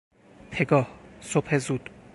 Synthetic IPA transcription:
t̪ʰeɡɒːhsopʰezud̪̥

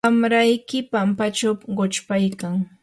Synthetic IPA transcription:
amɾajkɪpampat͡ʃawpɢot͡ʃpajkaŋ

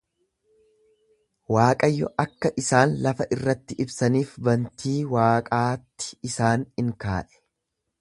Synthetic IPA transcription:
waːkʼɐjːɔʔɐkːɐʔɪsaːnlɐfɐʔɪrːɐt̪ːɪʔɪbsɐniːfbɐnt̪ʰiːwaːkʼaːt̪ːɪ̥ɪsaːnɪŋka̰ːʔɛ̥

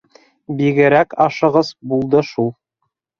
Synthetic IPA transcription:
biɡɘ̆ɾækɑʃɤ̆ʁɤzbulˠd̪ɤʃulˠ

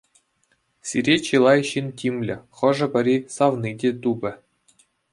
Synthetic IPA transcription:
sʲiɾʲet͡ɕilˠɑjɕintʲimʲlʲɘ̆χɤ̆ʐɤ̆bʲɘ̆ɾʲisɑʋnidʲet̪ubʲɘ̆

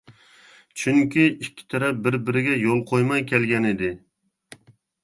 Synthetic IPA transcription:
t͡ʃʰyŋkʲʰiikʲʰːi̥t̪ʰɛɾɛp̚bɪɾbɪɾɪɡʲɛjolˠqʰojmɑjkʲʰɛlɡʲɛnɪd̪ɪ

